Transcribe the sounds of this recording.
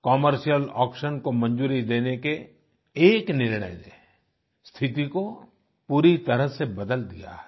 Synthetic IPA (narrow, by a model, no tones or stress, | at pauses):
kɔːməɾʃijəlɔːkʃənkomɐ̃nd͡ʒuːɾid̪eːnekeː | knɪɾɳə̰jnḛ | st̪ʰɪt̪iko | puːɾit̪ɐɾəɦsebɐd̪əld̪ḭja̰ɦɛ